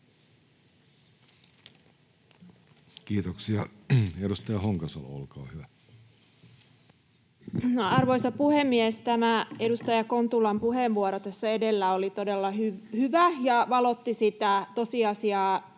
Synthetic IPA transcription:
kiːt̪oksiɑedust̪ɑjɑhoŋkɑsɑl̰o̰lkɑːhyʋæ | ɑrʋo̞isɑpuhemːiest̪æmæedust̪ɑjɑkont̪ulɑmpuheʋʋuoɾot̪æsːæedelːæolit̪odelːɑhyhyʋæjɑʋɑlot̪ːisit̪æt̪o̞siɑsiɑː

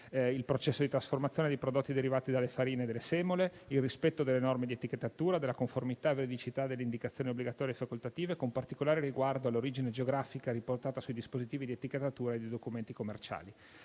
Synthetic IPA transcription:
ilpɾot͡ʃɛsːod̪it̪ɾasformat̪sːjoːned̪ejpɾod̪ot̪ːid̪eɾivaːt̪id̪alefaɾiːned̪elːesɛːmoleilrispɛt̪ːod̪elːenɔrmed̪iet̪iket̪ːat̪uːɾad̪elakoɱformit̪aeveɾed̪it͡ʃit̪ad̪elːeind̪ikat̪sjoniobliɡat̪ɔːɾjaefːakolt̪at̪iːvekompart̪ikolaːɾeriɡward̪oalːoɾiːd͡ʒined͡ʒeoɡɾaːfikaɾiport̪aːt̪asujd̪ispozit̪iːvid̪iet̪iket̪ːat̪uːɾaed̪id̪okument̪ikomːert͡ʃa̰ːli

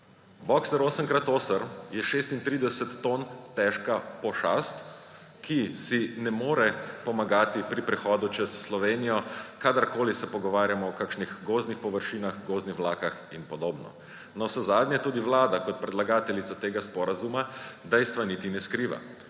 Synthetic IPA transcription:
bɔksɛɾoːsəŋkɾat̪oːsəɾjɛʃeːst̪int̪ɾiːd̪ɛsɛt̪ːont̪ɛʃkapɔʃast̪ | kisinɛmoːɾɛpɔmaɡaːt̪ipɾipɾɛxɔːd̪ut͡ʃɛsːlɔʋeːnijɔkad̪aɾkoːlisɛpɔɡɔʋaːɾjamɔɔkaːkʃnixɡoːznixpɔʋəɾʃiːnaxɡoːznixlaːkaxinpɔd̪oːbnɔ̰ | nɔsɛzaːd̪nʲjɛt̪uːd̪iʋlaːd̪akɔt̪̚pɾɛd̪laɡaːt̪ɛlit̪sat̪eːɡaspɔɾazumad̪ɛjst̪ʋanit̪inɛskɾiʋa̰

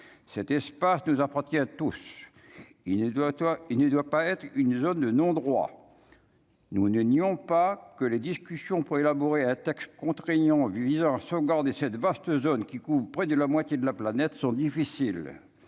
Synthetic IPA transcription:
sɛt̪ɛspasnuzapaʁt̪jɛ̃t̪us | ilnəd̪wapaɛt̪χynzond̪ənɔ̃d̪ʁwa̰ | nunəniɔ̃pakəled̪iskʲysjɔ̃puʁelabɔʁeɛ̃t̪ɛkst̪kɔ̃t̪χeɲɑ̃vizɑ̃ɛ̃sɔvɡaʁd̪esɛt̪vast̪əzonkʲikuvʁpχɛd̪əlamwat̪jed̪əlaplanɛt̪sɔ̃d̪ifisil

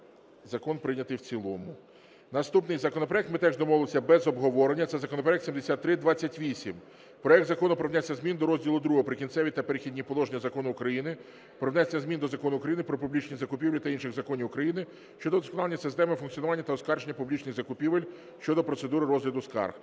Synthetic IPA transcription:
zɐkɔnpɾɪnʲɐt̪ɪjwt͡sʲilˠɔmʊ | nɐst̪upnɪjzɐkɔnɔpɾɔɛk̚t̪mɪt̪ɛʒd̪ɔmɔʋlˠesʲɐbɛzɔbɦɔʋɔɾenʲːɐt̪sɛzɐkɔnɔpɾɔɛkt̪sʲimd̪esʲat̪ːɾɪd̪ʋat͡sʲːɐtʲʋʲisʲim | pɾɔjɛk̚t̪zɐkɔnʊpɾɐwnʲɛsʲːɐzmʲind̪ɔɾɔzʲdʲilˠʊd̪ɾuɦɔɦɔpɾɪkʲint̪sɛʋʲit̪ɐpeɾɪxʲidʲnʲipɔlˠɔʒenʲːɐzɐkɔnʊːkɾɐjinɪ | pɾɔwnʲɛsʲːɐzmʲind̪ɔzɐkɔnʊːkɾɐjinɪpɾɔpublʲit͡ʃnʲizɐkʊpʲiʋlʲit̪ɐinʃɪɣzɐkɔnʲiwkɾɐjinɪ | ʃt͡ʃɔd̪ɔd̪ɔskɔnɑlˠenʲːɐsɪst̪ɛmɪfʊnkt͡sʲjɔnʊʋanʲːɐt̪ɐɔskɑrʒenʲːɐpublʲit͡ʃnɪɣzɐkʊpʲiʋelʲ | ʃt͡ʃɔd̪ɔpɾɔt̪sed̪uɾɪɾɔzɦlʲɐd̪ʊskɑ̰rx

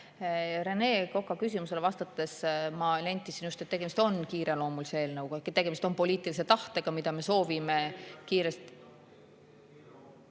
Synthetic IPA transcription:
ɾe̞ne̞ːko̞kːˑɑkys̬ʲimuse̞levɑst̪ɑt̪ːˑesmɑlenʲt̪ːˑisinjust̪et̪ːe̞ɡ̥e̞mist̪o̞nkiːɾe̞lo̞ːmuliseeːlnɤwkuekt̪e̞ɡ̥e̞mist̪opo̞liːt̪ˑilise̞t̪ɑht̪e̞ɡ̥ɑmid̪̥ɑme̞so̞ːvime̞kiːɾe̞st̪

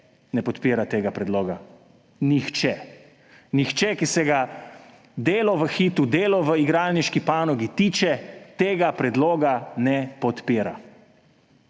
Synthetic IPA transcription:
nɛpɔt̪peːɾat̪eːɡapɾɛd̪loːɡa | nixt͡ʃɛ | nixt͡ʃɛkisɛɡa | d̪eːlɔʋəxit̪ud̪eːlɔʋəiɡɾalniʃkipaːnɔɡit̪iːt͡ʃɛt̪eːɡapɾɛd̪loːɡanɛpɔt̪peːɾa

